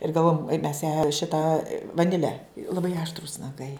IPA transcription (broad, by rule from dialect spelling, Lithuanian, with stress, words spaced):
ɪr ɡɐlˠˈʋoːjɛm mʲɛs jæː ˈʃʲɪtɐ ʋɐˈnʲɪlʲɛ lˠɐˈbɐɪ ɐʃtˈruːs nɐˈɡɐɪ